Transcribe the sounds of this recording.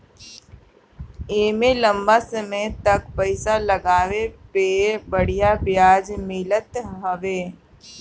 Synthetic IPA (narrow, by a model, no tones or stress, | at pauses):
eːmelə̃mbasəməjt̪ɐkpəɪsalɐɡaːʋepebəɽ̤ijabjaːd͡ʒmɪlət̪ɦɐʋeː